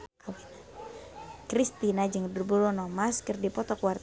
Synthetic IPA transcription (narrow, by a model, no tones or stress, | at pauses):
kawit̪ | kɾist̪inad͡ʒɨŋdərbulɔnɔmaskɨrdipɔt̪ɔkuwar